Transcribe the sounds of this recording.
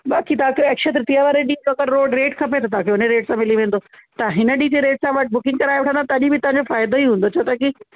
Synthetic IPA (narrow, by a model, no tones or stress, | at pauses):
baːkit̪ɐãːkʰjoɛːkʃət̪ɾɪt̪ijaʋaːɾeɗiːɐkəɽɾoːɖɾeːʈkʰɐpet̪ʰɐt̪ɐɦãːkʰeʊnəɾeːʈsãmɪliʋẽːn̆d̪ot̪ɐɦɪnəɗiːd͡ʑeɾeːʈsãʋɐʈ̚ʰbʊkɪ̃ŋɡkɐɾaːjʋɪʈʰə̃nd̪at̪ɐɐʄĩbɪt̪ɐʋãɲ̆d͡ʑofaːɪd̪oiɦũːn̆d̪ot͡ɕʰoːt̪aki